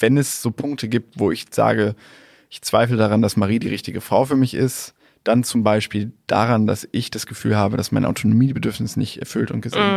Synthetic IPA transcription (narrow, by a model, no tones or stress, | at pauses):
v̥ɛnɛsz̥oːpʰʊŋk̚tʰəɡiːp̚tv̥oːɪçz̥a̰ːɡə | ʔɪçt͡sv̥aɪflədaʁ̞andasmaʁiːdiːʁɪçtɪɡəfʁ̥aʊfyːɐmɪçʔɪst | d̥ant͡sʊmbaɪʃpiːld̥a̰ʁanda̰sʔɪçd̥asɡ̥əfyːlhaːbədasma̰ɪnʔa̰ʊtʰonomiːbədʏɐfnɪsnɪçtɛ̰ɐfʏltʊnt̚ɡ̥əzḛː